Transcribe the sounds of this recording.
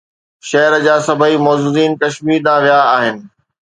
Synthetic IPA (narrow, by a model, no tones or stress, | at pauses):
ʃɐɦəɾd͡ʑaːsɐbʱəimɔːzuːziːnkɐʃmiːd̪ãːʋijaːɦɪnɪ̆